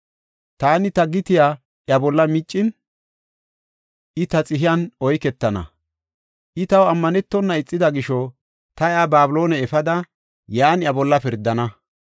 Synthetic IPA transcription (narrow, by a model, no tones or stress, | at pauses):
t̪aːnɪt̪ɐɡɪt̪ɪjaː | ʔjɐbɔlːɐmɪt͡ʃʼːɪn | ʔɪt̪ɐt͡sʼɪɦɪjɐnɔjkɛt̪ːɐnɐ̰ | ʔɪt̪ɐwɐmːɐnɛt̪ːɔnːɐɪt͡sʼːɪd̪ɐɡɪʃɔ | t̪ɐjaːbaːbɪloːnɛɛfɐd̪ɐ | jaːnjɐbɔlːɐpɪɾd̪ːɐnɐ